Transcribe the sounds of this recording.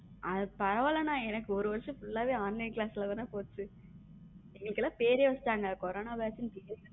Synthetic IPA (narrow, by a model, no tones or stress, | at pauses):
ʔɐðɯpɐɾɐʋaːlɐnãːɛnɐkːɯɔɾɯʋɐɾɐʂɐ̃fʊɭːaːʋeːaːnːɐklaːslɐʋɐnapoːt͡ʃːɯ | ɛŋɡɐɭɯkːɛlːãːpeːɾeːʋɐsʈːaːŋɡɐkɔɾoːnaːʋaːt͡ʃːɪnpeːɾ